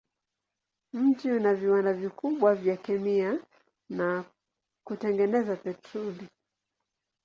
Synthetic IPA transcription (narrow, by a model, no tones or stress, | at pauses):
m̩tiunaviwandavikuɓwavjakɛmia | na | kutɛŋɡɛnɛzapɛtɾɔli